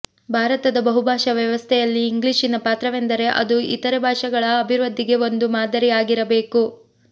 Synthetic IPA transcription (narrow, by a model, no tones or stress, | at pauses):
bʱaːɾɐt̪ɐd̪ɐbɐɦubʱaːʂɐʋjɐʋɐst̪ʰɛjɐlːiːŋɡliːʃinɐpaːt̪ɾɐʋend̪ɐɾe̞ʔɐ̰d̪uḭt̪ɐɾebʱaːʂɐɡɐɭɐːbʱiɾɐd̪ːiɡe̞o̞nd̪umaːd̪ʱɐɾijaːɡiɾɐbe̞ːku